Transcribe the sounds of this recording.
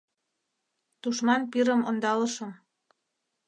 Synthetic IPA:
t̪uʃmɑnpiɾə̆mond̪ɑlɤ̆ʃɤ̆m

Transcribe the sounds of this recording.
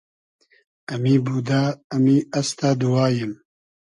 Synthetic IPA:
ɐmiːbuːd̪aɐmiːɐst̪ad̪uwɑːjɨm

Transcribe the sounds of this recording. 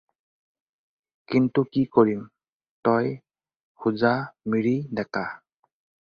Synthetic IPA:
kintukikoɹim | tɔj | huzamiɹidɛka

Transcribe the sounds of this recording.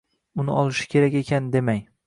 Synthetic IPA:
ʊnɪ̰ɒlˠɪʃɪ̥kʲʰe̞ɾakʲe̞kʲʰand̪e̞maj

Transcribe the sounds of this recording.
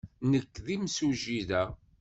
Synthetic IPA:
nəkːðimsuʒiðæ

